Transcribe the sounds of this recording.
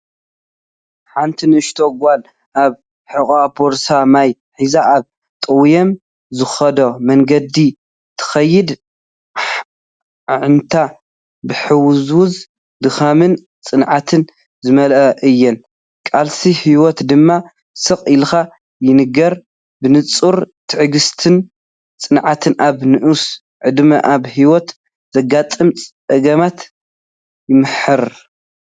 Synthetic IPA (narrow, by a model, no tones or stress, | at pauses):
ħant̪ʰinɨɨʃt̪ʰoɡʷal | ʔaβ | ħɨkʼabʰoɾsamaj | ħizaʔaβ | t̪ʼɨwjɛm | zɨxɐd̪omɐŋɡɐd̪i | t̪ʰɨ̥xɐjːɪd̪ | ʕɨnt̪ʰa | bɨħɨwzwʊz | d̪ɨxamɨn | t͡sʼɨnʕat̪ʰɨn | zɨmɐlʔʔɨjːɛn | kʼalsihiwɔt̪d̪ɨmːa | sɨqʼɪlxa | jɪnɨɡɐɾ | bɨnɨt͡sʼuɾt̪ʰɨʕɨɡɨst̪ʰɨn | t͡sʼɨnʕat̪ʰɨnʔaβnɨʔus | ʕɨd̪mɐʔaβhiwɔt̪ | z̥ɐɡat̪ʼɨmt͡sʼ | ɐɡɐmat̪ | jɪmɨħɨɾ